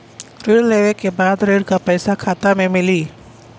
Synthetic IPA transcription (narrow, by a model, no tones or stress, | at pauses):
ɾeːɾleːʋekebaːd̪ɾeːɾkapɛːsakʰaːt̪amẽmɪliː